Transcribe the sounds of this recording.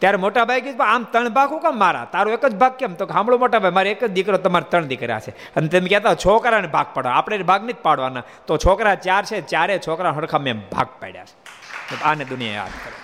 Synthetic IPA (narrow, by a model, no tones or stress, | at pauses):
t̪jaɾemoʈabʱajkjd͡ʒbaamt̪əɳ̃bʱaɡũkamːaɾa̰t̪aɾũekəd͡ʒbʱaɡ̚kemt̪oɦãmɭũmoʈabʱajmaɾeekəd͡ʒd̪ikɾot̪əmaɾet̪əɳd̪ikɾja̰t͡ʃʰe | ənet̪emekɛt̪at͡ʃʰɔkɾanebʱaɡ̚paɽʋaaːpɽ̃eɾibʱaɡned͡ʒpaɽʋana | t̪ot͡ʃʰɔkɾat͡ʃaɾt͡ʃʰet͡ʃaɾet͡ʃʰɔkɾaɦəɽkʰamebʱa̰ɡ̚pɛ̰ɽja̰t͡ʃʰe̥ | aned̪ʊnija̰ḛa̰d̪kəɾe